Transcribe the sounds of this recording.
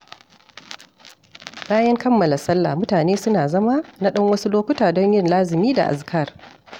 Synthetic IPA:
kaː˦jɛ˦ŋkɐ˦mːɐ˨la˨sɐ˦lːa̰˨mʊ˦taː˨neː˦sʊ˦naː˨zɐ˦ma˦na˦ɗɐ˦ŋwɐ˦su˦loː˦kʷʊ˦taː˨dɔ˦ɲjɪ˦nlaː˦zɪ˨miː˦da̰˨ʔa̰˨skʰɐ˦˨r

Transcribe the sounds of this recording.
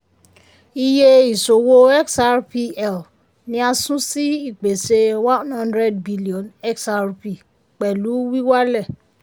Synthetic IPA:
i˧je˧i˨so˨wo˧ɛ˦ksa˧ɾpi˧ɛ˨l | nĩ˦a˧sũ˦si˦i˦˨k͡pe˨se˧wã˦nhã˦ndɾɛ˦˨d̚bi˦li˦˨ɔ̃˨nɛ˦ksa˧ɾpi˨ | k͡pɛ˨lu˨˦wi˦wa˦lɛ˦˨

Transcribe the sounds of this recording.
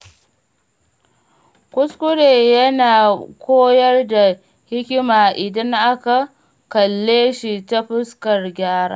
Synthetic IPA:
kʷʊ˦skʷʊ˦ɽeː˨jɐ˦naː˨kʰʷoː˦jɐ˦rda˨ | hɪ˦kʲɪ˦maː˨ʔɪ˨dɐ˦ŋʔa˦ka˨ | kɐ˨lːeː˦ʃi˨ta˦ɸʊ˦skɐ˨rɡʲaː˦ɽa̰ː˦

